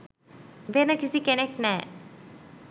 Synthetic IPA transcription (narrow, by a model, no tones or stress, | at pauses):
benəkisikeneknɛː